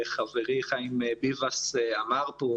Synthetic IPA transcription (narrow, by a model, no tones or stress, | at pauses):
χaveʁiχaimebivaseamaʁpo